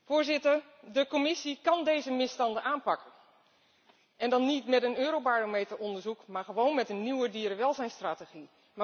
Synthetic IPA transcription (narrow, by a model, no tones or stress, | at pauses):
fʊːɹzɪtər | dəkomɪsikɑndejzəmɪstɑndəaːnpɑkən | ʔɛndɑnːitmɛtənøːɾowbaːɹomejtərɔndəɹzukmaːɹχəʋownmɛtənːiwədiːɾəʋɛlˠzɛjnstraːteχi | ma